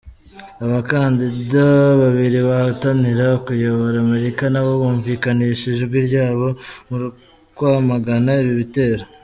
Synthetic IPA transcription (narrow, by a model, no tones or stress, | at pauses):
aβakaːndidaβaβiɾiβahataniɾakujo̞βoɾaːme̞ɾikanaβo̞βuːɱvikaniʃiʒebɡwiɾɟaːβo̞muɾu | kwamaɡanaiβiβite̞ːɾa